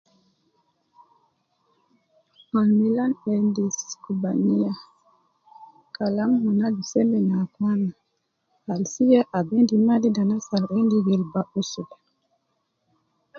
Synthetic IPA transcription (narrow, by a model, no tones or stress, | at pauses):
malmilanendiskubaɲija | kalamhunadisɛmbɛnakwana | halsijaʔabendimadidanasalʔɛndiɡɛlbaʔusul